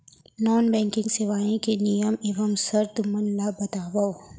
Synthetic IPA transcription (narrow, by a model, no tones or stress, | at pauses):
nɔːnbɛ̃ːŋkɪ̃ŋɡsɪʋaːẽkenijəmɪʋɐmsɐɾt̪ʊmɐnlabɐt̪aːʋao